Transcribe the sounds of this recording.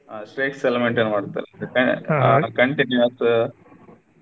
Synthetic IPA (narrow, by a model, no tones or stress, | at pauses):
asʈɾeːkselemeɳʈenːɐmaːɽut̪ːa̰ːlɐkɐkɐɳʈinjuɐs